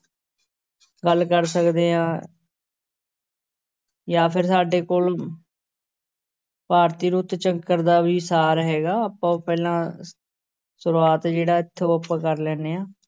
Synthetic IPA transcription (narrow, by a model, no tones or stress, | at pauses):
ɡəlkəɾsəkd̪eːãː | jaːpʰɪɾsaːɖeːkoːl | paːɾt̪iːɾʊt̪t͡ʃəŋɡkəɾd̪aːbiːsaːɾɦɛːɡaːəpãːpɛːlãː | sʊɾuaːt̪ːd͡ʒeːɽaːɪt̪ʰːeoəpːãːkəɾlɛːneːãː